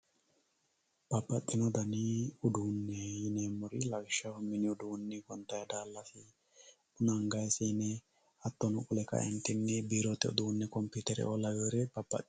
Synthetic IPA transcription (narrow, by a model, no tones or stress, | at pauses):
b̥ɐbːɐt̪ʼːɪnɔd̪ɐniʊd̪uːnːɛjɪneːmːɔɾɪlɐɡɪʃːɐhʊmːɪnɪʊd̪uːnːɪɡɔnt̪ɐjɐd̪aːlːɐsɪ | ʊnɐŋɡɐjsiːnɛ | ɐt̪ːɔnʊkʼʊlɛkɐ̰ʔɛ̰nt̪ɪnːɪbiːɾɔt̪ɛʊ̰d̪uːnːɛkɔmpit̪ɛɾɛ̰ʔɔlɐweːɾɛb̥ɐb̥ːɐ̰t̪ʼː